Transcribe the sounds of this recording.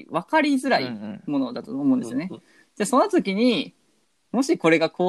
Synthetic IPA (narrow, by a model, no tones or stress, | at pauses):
βakaɾʲizɨɾaḭmo̞no̞d̪at̪ooːmo̞ɯ̃d̪esɨio̞ne | d̪eso̞not̪okʲiɲ̟i | mo̞ɕiko̞ɾe̞ɡakʰo̞ː